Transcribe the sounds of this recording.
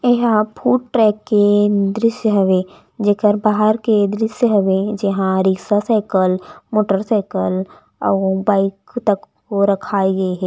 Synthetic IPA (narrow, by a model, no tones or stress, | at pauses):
eɦãpʰuːʈʈɾɛːkːed̪ɾɪʃjəɦɐʋẽ | d͡ʒekəɾbaːɦəɾked̪ɾɪsjəɦoʋẽd͡ʒɪɦãɾɪksasaːɪkəlmoːʈəɾsaːɪkəl | ɔːbaːɪkt̪əkː | oɾɐkʰaːiɡɐeɦɛː